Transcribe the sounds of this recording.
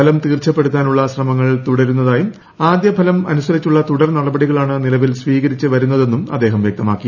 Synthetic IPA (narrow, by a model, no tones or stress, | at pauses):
ɐlɐmt̪iːrt͡ɕɐpːe̞ɽut̪ːaːnuɭːɐɕrɐmɐŋːɐɭt̪uɽɐɾunːɐðaːjum | aːd̪jɐbʱɐlɐmɐ̰nusɐɾit͡ɕːuɭːɐt̪uɽɐrnɐɽɐbɐɽiɣɐɭaːɳɨnilɐʋilsʋiːɣɐɾit͡ɕːɨʋɐɾunːɐðe̞nːumɐ̰d̪ːe̞ːɦɐmʋjɐk̚t̪ɐmaːkːi